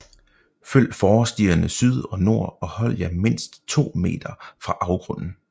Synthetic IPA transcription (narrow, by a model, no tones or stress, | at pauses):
føl̰fɒːsd̥iːɐnəsyð̞ˠɒ̽no̝ɐ̰ɒ̽hɒ̽l̰jæme̝n̰sd̥t͡sʰo̝̰ːme̝̰ːd̥ɐfʁɑ̈ʔɑ̈ʊɡ̥ʁɔ̽n̰n̩